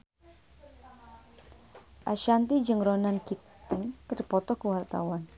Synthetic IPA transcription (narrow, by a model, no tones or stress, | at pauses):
ʔaʃant̪id͡ʒəŋɾɔnankit̪ɪŋkəɾipɔt̪ɔkuwalt̪a̰wan